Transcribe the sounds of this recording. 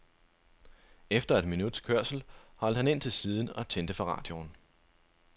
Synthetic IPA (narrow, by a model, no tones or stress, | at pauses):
efd̥ɐe̝d̥minud̥skʰøɐ̰sl̩hɒ̽l̰d̥hæne̝n̰t͡sʰe̝lsiːð̞ˠn̩ɒ̽t͡sʰend̥əfɒ̈ʁɑ̰̈ːd̥jo̝n